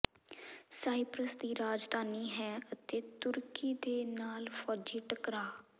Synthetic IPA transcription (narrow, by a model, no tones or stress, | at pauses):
saːipɾəsd̪iːɾaːd͡ʒd̪aːniːɦɛːət̪eːt̪ʊɾkiːd̪eːnaːlfʰɔːd͡ʒiːʈəkɾaː